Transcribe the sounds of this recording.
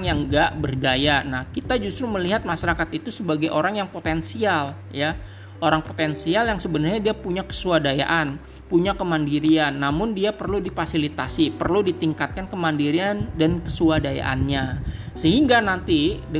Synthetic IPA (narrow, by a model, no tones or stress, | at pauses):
ŋjaŋɡaʔbərdajanahkit̪ad͡ʒust̪ɾuməliɦat̪̚maʃaɾakat̪it̪usəbaɡajʔoɾaŋjaŋpot̪ɛnsial | ja | oɾaŋpo̥t̪ɛnsialjaŋsəbənarɲadiapuɲakə̥suadaja̰ʔan | puɲakəmandiɾianːamʊndiapərludifasilit̪asipərludit̪iŋkat̪̚kankəmandiɾiandankə̥suadaja̰ʔa̰nɲasəɦiŋɡanant̪idə